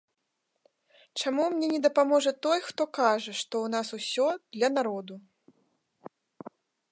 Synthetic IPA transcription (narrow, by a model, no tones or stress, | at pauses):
t͡ʂamumnʲɛnʲɛd̪ɐpamɔʐɐt̪ɔjxt̪ɔkaʐɐʂt̪ɔwnasusʲɔd̪̥lʲɐnaɾɔd̪u